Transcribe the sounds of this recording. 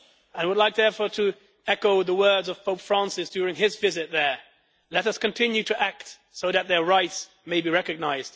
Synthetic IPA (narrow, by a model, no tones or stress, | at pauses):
ə̃wədˡlaɪk̚ðɛfəɾɨ | ɛkoʊðəwɜ˞dzʌv̥pʰoʊpfɹæ̃nsɨsd̥jʊɹɪ̃ŋɪzvɪzɨt̪̚ðə˞ | lɛɾʌskɨ̃ntʰɪ̃njʉɾɨʔæk̚t | soʊðɨt̪̚ðə˞ɹaɪts | meɪbiɹɛkɨɡ̚naɪzd̥